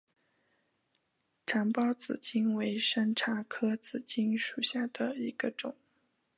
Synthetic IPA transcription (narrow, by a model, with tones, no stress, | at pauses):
ʈ͡ʂʰa˧˥npɑ˥ʊt͡sɹ̩˨˩t͡ɕi˥nwe˧˥ɪʂa˥nʈ͡ʂʰa˧˥kʰɤ˥t͡sɹ̩˨˩t͡ɕi˥nʂu˨˩ɕja˥˩d̪ə˩i˧˥ɡ̥ə˧ʈ͡ʂʊ˨˩˦